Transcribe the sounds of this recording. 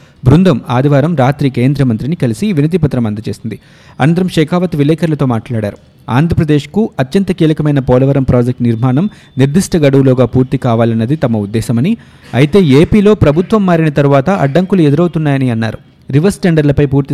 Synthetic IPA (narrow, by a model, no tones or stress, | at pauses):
bɾund̪ʱɐmaːd̪iʋaːɾɐmɾaːt̪ɾiːke̞ːnd̪ɾɐmɐnt̪ɾinikɐlisiʋinɐd̪ipɐt̪ːɾɐmɐnd̪ɐt͡ʃe̞ːsind̪i | ɐ̰nɐnt̪ɐɾɐmʂeːkʰaːʋɐt̪ʋilɛːkʰɐɾlɐt̪o̞ːmaːʈlaːɽaːɾu | a̰ːnd̪ʱɾɐpɾɐd̪eːʂkuɐt̪jɐnt̪ɐkiːlɐkɐmɐjnɐpɔːlɐʋɐɾɐmpɾaːd͡ʒek̚ʈniɾmaːɳɐm | niɾd̪ʱiʂʈɐɡɐɽɐʋuloːɡaːpuːɾt̪ikaːʋaːlɐnːɐd̪it̪ɐmɐud̪ːɛːsɐmɐni | ɐjit̪e̞ːeːpiːlo̞ːpɾɐbʱut̪ʋɐmːaːɾinɐt̪ɐɾuʋaːt̪ɐʔɐ̰ɖːɐŋkulued̪uɾɐwt̪unːaːjɐniɐnːa̰ːɾu | ɾiʋɐɾsʈeɳɖɐɾlɐpɐjpuːɾt̪i